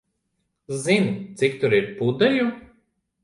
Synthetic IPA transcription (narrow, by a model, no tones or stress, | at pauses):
zint̪sikt̪ʊɾiɾpud̪ɐju